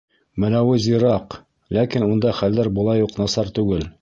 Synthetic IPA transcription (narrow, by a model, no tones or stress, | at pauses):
mɘ̆læwɘziɾɑq | lækinund̪ɑχælːæɾbŏlˠɑjuqnɑsɑɾt̪ʉɡɘl